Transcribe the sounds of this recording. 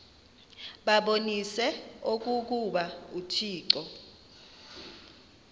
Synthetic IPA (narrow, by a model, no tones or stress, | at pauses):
ɓaɓonisɛok̬uk̬uɓautʰiːǀɔ